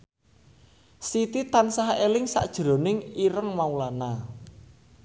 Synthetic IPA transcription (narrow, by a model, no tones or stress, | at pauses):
sit̪it̪ansaɦelɪŋsa̰ʔd̥ʒ̥ɾo̤nɪŋiɾəŋmaulana